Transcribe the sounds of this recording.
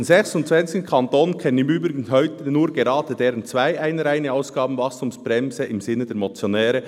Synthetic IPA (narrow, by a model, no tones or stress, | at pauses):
nzɛçsʊntt͡svɛnt͡sɪç̥n̩kʰɑntoːnkʰɛnənɪmyːbʁɪɡn̩ɦœʏtənuːɾɡeɾɑːd̥ədɛːɾənt͡sv̥aɪʔaɪnəɾaɪnəaʊsɡ̥ɑːbn̩vɑkstʰʊmsb̥ʁɛmzəɪmzɪnːədɛːɾmot͡sjonɛːɾə